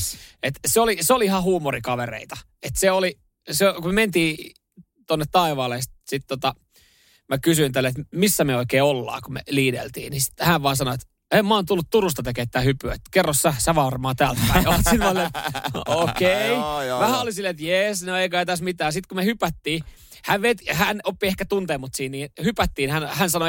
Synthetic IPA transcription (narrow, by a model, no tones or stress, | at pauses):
et̪seoliseoliihɑhuːmorikɑʋerḛit̪ɑ | et̪seoli | sekumement̪iː | t̪onːet̪t̪ɑiʋɑːlest̪sit̪t̪ot̪ɑ | mækysyint̪ælːet̪misːæmeoikeːolːɑ̰ːkumḛliːdḛlt̪ḭːnisi̥t̪hæʋʋɑːsɑnoet̪ | emmɑːnt̪ulːut̪t̪urust̪ɑt̪ekeːt̪t̪ːæːhypyet̪kerːossæsæʋɑrmɑːt̪æːlt̪̚pæiɑt̪sinɑlːeokeiʋæhæolisilːet̪jesnoeikøæit̪æsmit̪æːsit̪kumehypæt̪ːiː | hæʋʋet̪ihænopːiehkæt̪unt̪eːmːut̪siːnniːnhypæt̪ːiːnhænhænsɑno